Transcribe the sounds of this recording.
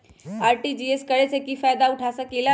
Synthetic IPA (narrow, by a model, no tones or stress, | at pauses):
aːɾʈid͡ʒieskəɾet͡ʃʰekifajd̪aʊʈʰasəkila